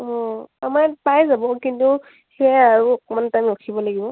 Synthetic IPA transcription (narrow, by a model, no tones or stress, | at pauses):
ɔ̃amapajzabɔkintu | xɛaɹuɔkɔmantamɹokʰibɔlaɡibɔ